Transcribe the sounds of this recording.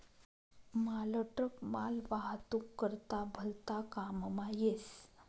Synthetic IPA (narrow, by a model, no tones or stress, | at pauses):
maləʈəkmalʋaɦt̪ukːəɾt̪abʱəlt̪akammajes